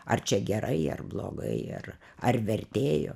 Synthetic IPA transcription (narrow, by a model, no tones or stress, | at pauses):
ɐrt͡ʃʲɛɡʲɛɾʔɐɪɐ̰rblˠo̰ːɡɐ̰ɪɐ̰r | ɐrʋʲɛrʲt̪ʲeːjo̰ː